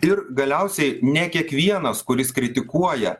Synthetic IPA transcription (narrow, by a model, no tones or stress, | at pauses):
ɪɾɡɐlʲɛʊsʲɛɪnʲɛkʲiɛkʋʲiɛnɐskʊɾʲɪskɾʲɪt̪ʲɪkuɔjɛ